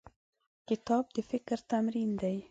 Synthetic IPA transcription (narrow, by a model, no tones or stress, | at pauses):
kɪt̪ʰɑːp̚d̪̥ʉfɪkːəɾt̪ʰamɾiːnd̪ɛj